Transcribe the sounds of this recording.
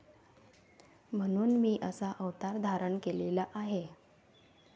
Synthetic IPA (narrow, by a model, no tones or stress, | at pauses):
m̤əɽ̃uːnmiːʔəsaʔəʋt̪aɾd̪ʱaɾəɳkelelaʔaɦe